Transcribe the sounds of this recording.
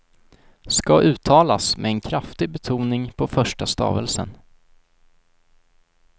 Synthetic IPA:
skaʔʉ̟ːt̪ʰɑːlasmʔɛɛnkʰɾaft̪ɪɡ̚bɛt̪ʰuːnɪŋpʰɔfœʂʈast̪ɑ̰ːvəlsə̰n

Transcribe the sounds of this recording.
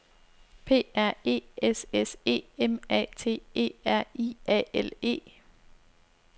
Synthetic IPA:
pʰe̝̰ːæɐ̰e̝̰ːesese̝̰ːemɛ̰ːt͡sʰe̝̰ːe̝̰ːæɐ̰iːɛ̰ele̝̰ː

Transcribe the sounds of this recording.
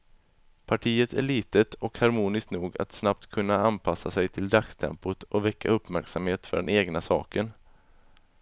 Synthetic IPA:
pʰaʈʰiːət̪ʰæ̰ɭiːt̪ət̪ɔkhaɾmuːnɪskt̪nuːɡa̰t̪snap̚t̪kʰɵnːaanpʰasasɛjt̪ʰɪld̪akst̪ʰɛ̰mpʊt̪ʰʔɔvɛkːa̰ɵpːmæɾksamheːt̪fœ̰ɖɛneːɡnasɑ̰ːkən

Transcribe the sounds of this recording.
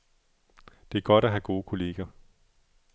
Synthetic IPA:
d̥e̝æɐɡ̥ɒ̽ɾ̥æɦæɡ̥o̝ːkʰo̝le̝ːɡ̥ɐ

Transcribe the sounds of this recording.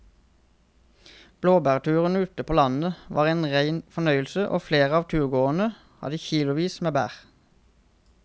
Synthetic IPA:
b̥loːbæːʁt̪ʰʉːʁənʉt̪əpʰoːlɑnəʋɑːʁeːnʁæɪnfɔnœʏəlsəʔo̰ːfleːʁəɑːʋt̪ʰʉːʁɡoːʁən̩ə | hɑ̰d̪əçiːlʊʋiːsmeːbæ̰ːʁ

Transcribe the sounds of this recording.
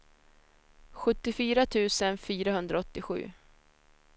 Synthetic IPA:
ɧɵt̪ːɪfyːɾat̪ʰʉ̟ːsənfyːɾaɦɵnd̪ɾaɔt̪ːɪɧʉ̟̰ː

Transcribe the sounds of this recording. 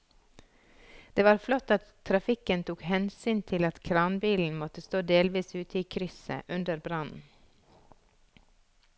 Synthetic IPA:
d̪̥eːʋɑːɾflɔt̪ɑt̪ʰːɾɑfɪkənt̪ʰuːkhɛnsyːnt̪ʰɪlɑt̪kʰɾɑːnbiːln̩mɔt̪əst̪oːd̪eːlʋiːsʉːt̪əiːkʰɾʏsə̰ʔʉnd̪əɾbɾɑnn̩

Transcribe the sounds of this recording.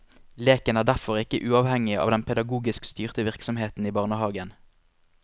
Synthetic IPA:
leːkənæːʁɖ̪æfɔʁɪkəʔʉːɑːʋhɛŋɪəɑ̰ːʋd̪ɛnpʰɛd̪ɑɡuːɡɪskst̪yːʁt̪əʋɪʁksɔmheːt̪n̩iːbɑʁnəhɑːɡən

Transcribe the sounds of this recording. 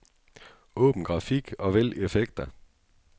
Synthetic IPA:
ʔɔ̽ːb̥n̩ɡ̥ʁɑ̈fiɡ̥ɒ̽ʋel̰iefeɡ̥̚d̥ɐ

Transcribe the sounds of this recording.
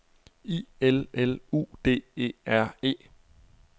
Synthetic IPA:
ḭːelelṵːd̥e̝̰ːe̝̰ːæɐ̰e̝̰ː

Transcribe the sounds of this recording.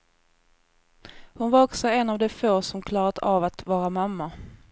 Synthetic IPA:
hʊnvaɾɔksɔɛnavd̪ɛfoːsɔmkʰlɑːɾat̪avat̪vɑːɾamamːa

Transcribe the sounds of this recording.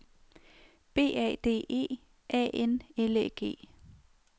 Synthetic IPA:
b̥e̝̰ːɛ̰d̥e̝̰ːe̝̰ː | ʔɛ̰ːʔeneleɡ̥e̝̰ː

